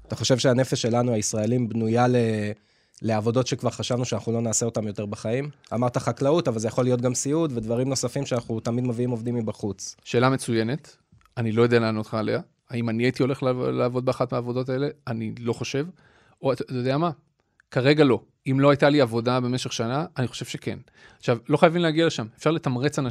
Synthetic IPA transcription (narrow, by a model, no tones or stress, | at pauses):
at̪aχo̞ʃe̞vʃeane̞feʃːe̞lanuaisʁae̞limbnujale | le̞avo̞do̞tʃe̞kvaʁχaʃavnuʃeanaχulo̞naːse̞o̞t̪amjo̞t̪e̞ʁbaχaim | a̰maʁt̪aχaklautavalzejaχolːijo̞t̬̚ɡamsiud̪ved̪vaʁimno̞safimʃeanaχut̪amid̪maviimo̞vd̪imːibaχut͡sʃe̞ːlamet͡suje̞ne̞t̪ | anilo̞jo̞d̪ealeaːno̞t̪χaːle̞a | aimaniajit̪io̞le̞χllaːvo̞d̪̚beaχatmeaːvo̞do̞t̪̬ae̞le̞anilo̞χo̞ʃe̞v | oattjod̪eama | kaʁe̞ɡalo̞ | imlo̞ajt̪aliavo̞dabe̞me̞ʃe̞χʃanaːniχo̞ʃe̞v̥ʃe̞ke̞̰n | aχʃavlo̞χajavileaɡialeʃamefʃaʁlet̪amʁet͡sana